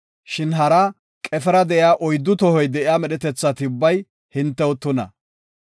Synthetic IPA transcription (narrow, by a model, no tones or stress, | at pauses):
ʃɪnɦɐɾa | kʼɛfɛɾɐd̪ɛʔɪjaːʔɔjd̪ːʊt̪ɔhɔjd̪ɛʔɪjaːmɛɗɛt̪ɛt͡sːɐt̪ɪʊbːɐj | hɪnt̪ːɛwɔt̪ːɔnɐ̰